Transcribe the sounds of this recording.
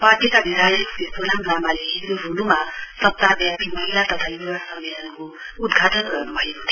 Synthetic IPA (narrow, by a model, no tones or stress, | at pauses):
paɡ̪jekabʱiɾʱajesesolamzamaleɾoɾunumasʌp̚t̪abjapimʌɦilat̪ʌt̪ʰajuwasʌmːelʌnkoud̪ɡʱaʈʌnɡʌrnubʱʌeko̥t̪ʰe̥